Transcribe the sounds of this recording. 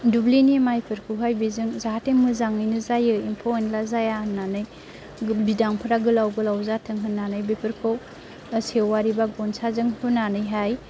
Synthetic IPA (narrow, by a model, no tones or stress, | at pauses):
dublinimajpʰɯɾkʰɯwɦajbizɯŋzaɦateŋmɯzaŋɯjnɯzajɯimpʰowenlazajananɯj | bidaŋpʰɯɾaɡɯlawɡɯlawzatʰɯŋɦɯnːanɯjbepʰɯɾkʰow | sewːaɾibaɡɔnsazɯŋhɯnanɯjɦaj